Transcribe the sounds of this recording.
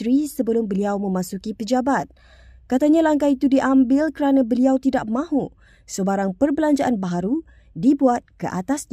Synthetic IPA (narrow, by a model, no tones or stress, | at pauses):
ɾisəbəlʊmbəliawmə̃mãsukipəd͡ʒabat̪̚ | kat̪aɲãlaŋkait̪udiʔambɪlkəɾanãbəliawt̪idaʔ̚mãhu | səbaɾaŋpərbəlaɲd͡ʒaʔanbaɦaɾu | dibuat̪̚kəʔat̪asɲ